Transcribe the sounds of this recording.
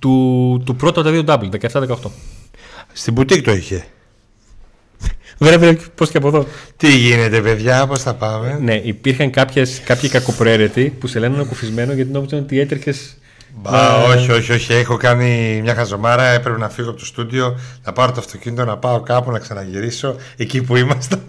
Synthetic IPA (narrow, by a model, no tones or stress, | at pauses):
t̪ut̪upɾo̞t̪ɐpt̪ɐðiod̪ɐblðekɐeft̪ɐðekɐot̪o̞ | st̪ibut̪ikt̪oiçe̞ | vɾeveposceɐp̬oðo̞t̪iʝine̞t̪e̞peðʝɐposθɐpɐmene̞ʔipiɾxɐŋkɐpçeskɐpçikɐko̞pɾoe̞ɾet̪ipuselennnekufizme̞noʝɐt̪inopzɐnt̪ie̞t̪ɾçe̞s | bɐoçio̞çio̞çiexo̞kɐnimɲɐxɐzo̞mɐɾɐe̞pɾepe̞nɐfiɣoɐpot̪ost̪ud̪io̞nɐpɐɾot̪oɐft̪o̞cinit̪onɐpɐo̞kɐpunɐksɐnɐʝiɾiso̞ | e̞cipuimɐst̪e